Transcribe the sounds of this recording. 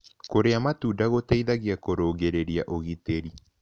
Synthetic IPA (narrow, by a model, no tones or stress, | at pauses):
koɾeamatuːdaɣotaiðaɣiakoɾoːɡeɾeɾjaʔoɣiteɾi